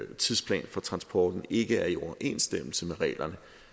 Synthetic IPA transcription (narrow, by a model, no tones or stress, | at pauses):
t͡sʰiðˠspʰlɛ̰ːnfɒ̽t͡sʰʁɑ̈nsb̥ɒ̰ːd̥n̩e̝ɡ̥əæɐiɒʔe̝̰ːnsd̥em̰l̩səmeʁɛ̰ːlɐnə